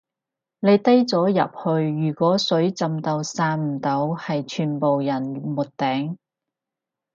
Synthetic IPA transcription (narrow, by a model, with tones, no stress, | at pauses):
ne˨˧jt̪ɐ˥jt͡sɔː˨˥jɐ̰˨p̚hɵ˧ɥːyː˨˩kʷɔː˨˥sɵ˨˥ɥt͡sɐ˨˧mt̪ɐ˧wsaː˧nm̩˨˩t̪o˨˧whɐ˨jt͡ʃʰyː˨˩npo˨wjɐ˨˩nmʊ˨t̚t̪ɛː˨˥ŋ